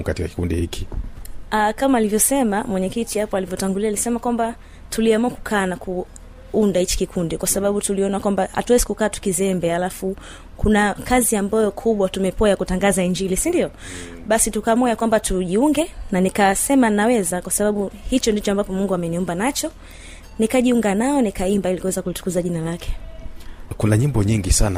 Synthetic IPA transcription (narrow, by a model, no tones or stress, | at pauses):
katikaki̥kundihikʰi̥akamaːlivjɔsɛmamwɛɲɛkitihapɔalivjɔtaŋɡulialisɛmakwamba | tuliamuaku̥kʰaːnakʰu | undahit͡ʃi̥kikʰundikwasaɓaɓutuliɔnakwambaha̰tuwɛzikukaːtu̥kizɛmbɛalafu | kunakaziambajɔkʰuɓwatumɛpɔajakutaŋɡazaiɲd͡ʒilisindiɔ | ɓasitukaːmuajakwambatuʄiuŋɡɛnanikasɛmanawɛzakwasaɓaɓuhit͡ʃɔndit͡ʃɔambapɔmuŋɡuamɛniumbanat͡ʃɔ | nikaʄiuŋɡanaɔnikaimbailikuwɛzakulitu̥kuzaʄinalakʰɛ̥ | kunaɲimbɔɲiŋɡisana̰